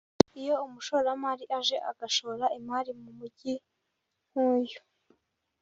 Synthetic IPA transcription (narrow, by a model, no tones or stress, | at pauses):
ijo̞umuʃoːɾamaːɾiʔaʒe̞ʔa̰ɡaʃoɾaimaːɾimumuɟi | muːju